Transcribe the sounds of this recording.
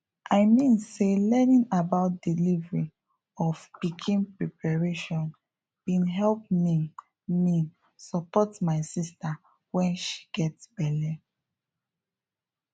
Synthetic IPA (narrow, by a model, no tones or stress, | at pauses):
ʔaɪmĩnselɛnĩnabaʊt̚dilivɹĩ | ɔfpikʰĩnpɹɛpʰaɹeʃɔ̃n | bĩnɦɛlp̚mi | mi | sɔpɔtmaɪsista | wɛ̃nʃi̥ɡɛtsb̥ɛlɛ